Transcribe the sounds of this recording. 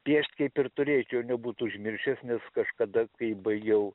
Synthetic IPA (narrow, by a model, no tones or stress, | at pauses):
pʲiɛʃʲt̪ʲkɐɪpɪrt̪ʊɾʲeːt͡ʃʲjɛʊnʲɛbuːt̪uʊʒʲmʲɪrʲʃʲɛsnʲɛskɐʃkɐd̪ɐkɐɪbɐɪɡʲɛʊ